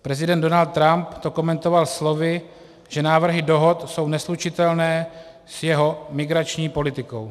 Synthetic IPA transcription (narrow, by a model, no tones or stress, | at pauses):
pɾɛzɪdɛnd̪do̞nalt̪̚tːɾampt̪o̞ko̞mɛnt̪o̞valslo̞vɪ | ʒɛnaːvr̩ɦɪdo̞ɦo̞t̪so̞wnɛslut͡ʃɪt̪ɛlnɛː | sjɛɦo̞mɪɡɾat͡ʃɲiːpo̞lɪt̪ɪko̞w